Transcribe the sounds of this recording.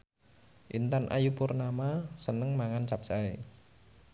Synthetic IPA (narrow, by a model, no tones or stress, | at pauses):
ʔint̪anʔa̰jupʊrnamasənəŋmaŋant͡ʃap̚sae